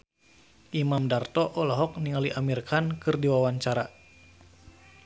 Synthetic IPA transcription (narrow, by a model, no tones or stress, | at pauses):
ʔimamdart̪ɔʔɔlɔɦɔk̚niŋaliʔamirkʰankɨrdiwawaɲt͡ʃaɾa